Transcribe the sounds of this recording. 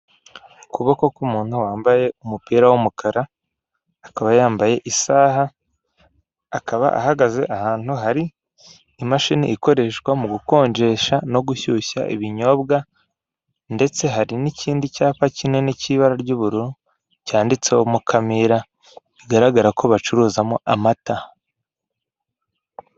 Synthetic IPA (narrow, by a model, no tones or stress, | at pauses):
ukuβoko̞kumuːn̥huwaːmbaje̞umupiːɾawumukʰaɾaː | kaβajaːmbaje̞ʔisaːha | kaβa̰ʔa̰haɡaze̞ʔahaːnhuɦaɾiː | maʃinḭʔiko̞ɾe̞ːʃkwamuɡuko̞ːɲɟe̞ʃano̞ɡuçuça̰ʔḭβiɲo̞bɡa | nde̞t͡se̞ɦaɾiniciːndicaːfacine̞niciβaɾaɾɟuβuɾuɾu | caːndit͡se̞omukʰamiɾa | iɡaɾaɡaɾako̞βat͡ʃuɾuːzamoʔamata